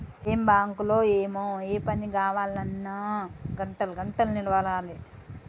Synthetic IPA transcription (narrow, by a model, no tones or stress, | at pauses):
eːmbaːŋkuloːeːmoːeːpɐnːiɡaːʋaːlnɐnːaːɡɐɳʈɐlɐɡɐɳʈɐlniɽʋaːlaːli